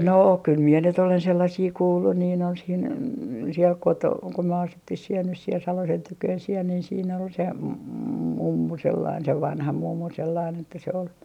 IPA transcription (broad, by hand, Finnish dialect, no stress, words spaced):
no kyl mie nyt olen selːɑsiː kuːlːun niː on siːn siel koto ko myø ɑsutːih siel nys siel sɑlosen tykøːn siel niːn siːn ol se mumːu selːɑin se ʋɑnhɑ mumːu selːɑin etːæ se ol